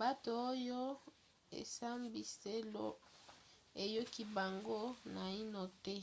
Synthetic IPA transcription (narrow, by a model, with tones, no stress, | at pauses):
ba˦to˨o˦jo˦ | ḛ˨sa˦mbi˨se˦lo̰˦ | e˨jo˦ki˦ba˨ŋɡo˦na˨i˦no˨tɛ˦